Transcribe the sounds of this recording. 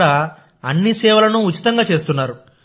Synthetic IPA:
ɽa | ɐnːisɛːʋɐlɐnuːt͡ʃːi̥t̪ɐŋɡaːt͡ʃe̞ːst̪unːaːɾu

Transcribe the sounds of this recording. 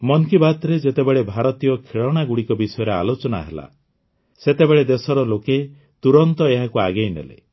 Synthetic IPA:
mɔŋkibat̪ɾed͡ʒet̪ebeɭebʱaɾɔt̪ijɔkʰiɭɔɽ̃aɡuɽikɔbisɔjɔɾea̰lot͡ʃɔna̰ɦela̰ | set̪ebeɭed̪esɔɾɔloke | t̪uɾɔnt̪ɔeɦakuaɡejnḛlḛ

